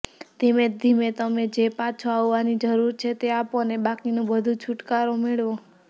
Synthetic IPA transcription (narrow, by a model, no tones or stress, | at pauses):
d̪̥imed̪ʱimet̪əmed͡ʒepat͡ʃʰoaʋːanid͡ʒəɾuɾt͡ʃʰet̪eaponebakinũbəd̪ʱũt͡ʃʰuʈkaɾomeɭõ